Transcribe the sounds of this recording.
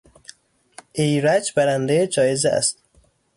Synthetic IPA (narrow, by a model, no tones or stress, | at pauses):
ʔejɾæd͡ʒbæɾænd̪ejed͡ʒɒːjezeæ̰st̪